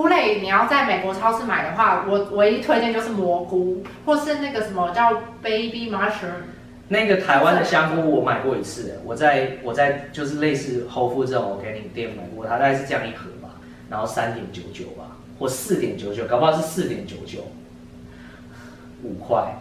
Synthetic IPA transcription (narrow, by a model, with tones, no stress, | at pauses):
u˧˥le˥˩ɪni˨˩jɑ˥˧ʊt͡sa˥˩ɪme˨˩kwɔ˧˥ʈ͡ʂʰɑ˥ʊsʰɹ̩˥˩ma˨˩ɪd̪ə˦xwa˥˩wɔ˨˩wɔ˧˩i˧˥t̪ʰwt̪jɛ˥˧nt͡ɕjo˥˧ʊʂ̩˥˩mwɔ˧˥ku˥xwɔ˥˧ʂɻ̩˥˧na˥˩ɡə˩ʂə˨˦nmə˧t͡ɕjɑ˥˧ʊpe˥ɪpi˥ma˧˥ʂ̩˨˧˥ | na˥˩˧ɡə˨t̪ʰa˧˥ɪwa˦nd̪ə˨ɕjɑ˥ŋku˥wɔ˨˩ma˨˩ɪkwɔ˥˩i˧˥t͡s̩ʰ˥˩wʔɔ˨˩t͡sa˥˧ɪwɔ˨˩t͡sa˥˧ɪt͡ɕjo˥˧ʊʂ̬ɻ̩˥˧le˥˧ɪsɻ̩˥˩xo˥˧ʊfu˥˧ʈ͡ʂ̩˥ə˥˨˩ŋwɔ˨˦ke˧˥ɪni˨˩˨t̪jɛ˥˧nu˨˩ma˨˩ɪkwɔ˥˩˨t̪ʰa˥a˥˧ɪʂ̬ɻ̩˥˧ʈ͡ʂɤ˥˧jɑ˥˧ŋi˥˩xɤ˧˦ba̰˨˦ | na˧˦˥nxo˥˩sa˦nt̪jɛ˨˩˦nt͡ɕjo˧˥ʊt͡ɕjo˨˩ʊba̰˨˦ | xwɔ˥˩sɹ̩˥˨t̪jɛ˨˩nt͡ɕjo˧˦ʊt͡ɕjo˨˩ʊkʰpʰʂɻ̩˥˧sɹ̩˥˩t̪jɛ˨˩˦nt͡ɕjo˧˥ʊt͡ɕjo˨˩ʊ | u˨˩kʰwa˥˩ɪ